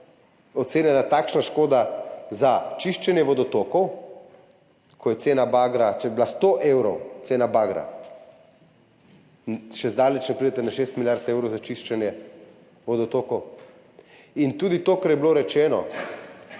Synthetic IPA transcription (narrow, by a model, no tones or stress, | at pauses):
ɔt̪seːnjɛnat̪aːkʃnaʃkoːd̪azat͡ʃiʃt͡ʃɛnjɛʋɔd̪ɔt̪okɔw | kʰɔjɛt̪seːnabaɡɾat͡ʃɛjɛblast̪oʔewɾɔwt̪seːnabaɡɾa̰ | nʃɛzd̪aːlɛt͡ʃnɛpɾid̪ɛt̪ɛnaʃest̪miljaɾt̪ewɾɔwzat͡ʃiʃt͡ʃɛnjɛ | ʋɔd̪ɔt̪oːkɔw | int̪uːd̪it̪oːkaɾjɛbloɾɛt͡ʃɛːnɔ̰